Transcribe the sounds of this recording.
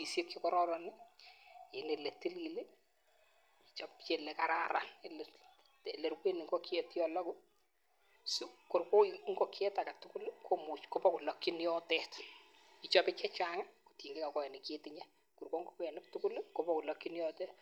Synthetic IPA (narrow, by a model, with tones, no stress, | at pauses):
i˨sje˦kːi˦kɔ˦ɾɔɾɔnɪ | e˨nele˨ti˦li˨lɪ˦ | it͡ʃɔpt͡ʃe˨le˨ka˨ɾa̰ɾa̰ne˨le | tele˨rkwe˦nɪ˨ŋɡo˦ki˦etjɔlɔ˦kʊ˦ | suko˨rko˦ŋɡɔ˦kɛ˦ta˨ka˨tʊ˦ku˦lkʰo˦mu˨t͡ʃko˦pɔ˦ku˨lɔ˨ki˦njɔ˦tɛt | i˨t͡ʃɔ˦pɪ˦t͡ʃɛ˦t͡ʃaŋa˦ku̥ti˨ŋɡe˦ka˨kɔ˦ɛ˨nɪ˨ketɪɲa˦ | ku˨rko˦ŋɡokɛ˨nɪ˦p̚tʊ˦ku˦lko˦pɔku˨lɔ˨ki˦njɔ˦tɛt